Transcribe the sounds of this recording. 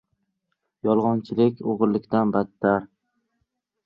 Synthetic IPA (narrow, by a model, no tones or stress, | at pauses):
jɒlˠʁɒnt͡ʃʰɪlɪkʲʰoʁɾlɪkʲt̪anbat̪ʰːaɾ